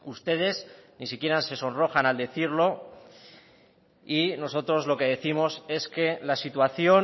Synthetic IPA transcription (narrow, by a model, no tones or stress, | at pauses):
ust̪e̞ðe̞znisikje̞ɾanse̞so̞nro̞xanald̪e̞θiɾlo̞ | ino̞so̞t̪ɾo̞zlo̞ke̞ð̞e̞θimo̞se̞ske̞lasit̪waθjo̞